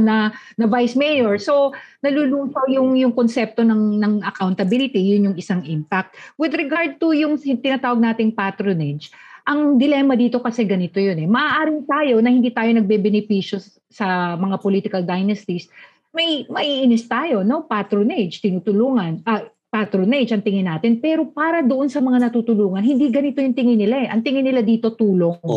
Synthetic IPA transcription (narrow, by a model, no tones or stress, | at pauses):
nɐnɐvajsmɛjoɹso̞nɐluluːsojʊŋjʊŋkonsɛp̚t̪o̞nɐŋnɐŋɐkawnt̪ɐbilɪt̪ijʊnjʊŋɪsaŋʔɪmpak̚t̪̚wɪd̪ɾɛɡaɹd̪̚t̪ʊjʊŋt̪ɪnɐt̪aːwɐɡ̚naːt̪ɪŋpat̪ɾonɛd͡ʒʔɐŋd̪ɪlɛːmɐd̪iːt̪o̞kɐsɛɡɐnɪt̪ojonɛmɐʔaːʔaːɾɪnt̪aːjo̞nɐhɪ̃nd̪iːt̪aːjo̞nɐɡ̚bɛbɛnɪpiʃo̞ | sɐmɐŋapoliːt̪ɪkɐld̪ajnɐst̪is | mɐijmɐʔiːʔɪnɪst̪aːjo̞no̞pat̪ɾoned͡ʒt̪ɪnuːt̪ʊluːŋɐnʔɐ | pat̪ɾoned͡ʒɐŋt̪ɪŋɪnaːt̪ɪnpɛːɾo̞paːɾɐd̪oʔonsɐmɐŋanɐt̪uːt̪ʊluːŋɐnhɪnd̪iɡɐnɪt̪o̞jʊŋt̪ɪŋɪnɪlaɛʔɐŋt̪ɪŋɪnɪlad̪iːt̪o̞t̪uːlo̞ŋ